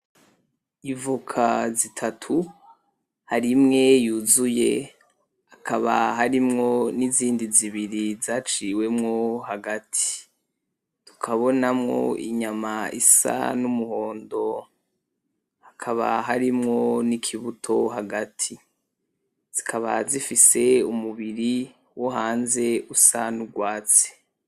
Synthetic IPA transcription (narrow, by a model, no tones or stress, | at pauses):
ivukʰazitʰatʰu | haɾimŋe̞juzuje̞̰ | akʰaβaɦaɾimŋo̞niziːndiziβiɾizaːt͡ʃiwe̞mŋoɦaɡatʰi̥ | tu̥kʰaβo̞namŋo̞̰ḭɲamaḭsa̰numuho̞ːndo̞ | hakʰaβa̰ɦaɾimŋonikʰiβutʰo̞ɦaɡatʰi | z̥ikʰaβa̰zifise̞umuβiɾi | wo̞ɦaːnze̞usanuɡwaːt͡se̥